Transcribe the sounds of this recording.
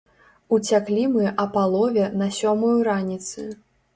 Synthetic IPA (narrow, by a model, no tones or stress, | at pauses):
ut͡sʲaklʲimɨʔɐpalˠɔvʲɛnɐsʲɔmujuɾanʲit̪sɨ